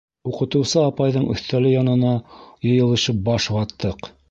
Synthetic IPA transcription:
uqɤ̆t̪ɤ̆wsɤɑpɑjðɤɴɵ̰̆θt̪ælɘjɑnɤ̆nɑjɤ̆jɤ̆lˠɤ̆ʃɤp̚bɑʃbɑt̪ːɤq

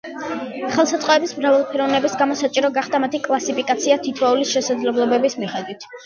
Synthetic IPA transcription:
χɛlˠsat̪sʼɔɛbismɾavalˠpʰɛɾɔvnɛbisɡamɔsat͡ʃʼiɾɔɡaχd̪amat̪ʰikʼlˠasipikʼat̪sʰiat̪ʰit̪ʰvaulisʃɛsad̪zlɛblˠɔbɛbismiχɛd̪wit̪ʰ

